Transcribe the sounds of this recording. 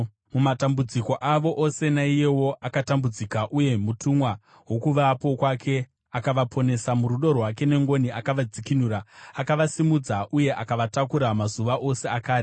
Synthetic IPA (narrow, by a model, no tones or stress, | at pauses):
mumatambud͡ziko̞ʔaʋo̞ʔose̞naije̞wo̞ʔakatambud͡zikaʔuje̞mutumwa | ɦo̞kuʋapo̞kwakʰe̞ | akaʋapʰo̞ne̞samuruɗo̞rwake̞ne̞ŋɡo̞niʔakaʋad͡zikinuːɾaːkaʋasimud͡zaʔuje̞ʔakaʋatakuɾamazuʋaʔo̞se̞akaːri